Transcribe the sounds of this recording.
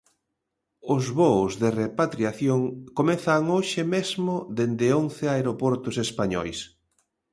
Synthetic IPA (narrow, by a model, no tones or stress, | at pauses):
ʊzβozðerepat̪ɾiaθjoŋkomeθaŋoʃɪmezmʊðend̪ɪonθeaeɾopoɾt̪ʊsespaɲɔ̰js